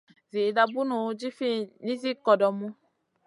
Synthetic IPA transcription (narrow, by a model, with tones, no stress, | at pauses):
zi˨da˨bu˦nũ˨˦d͡ʒi˦fi˦nĩ˦zi˦kɔ˨dɔ˨mũ˦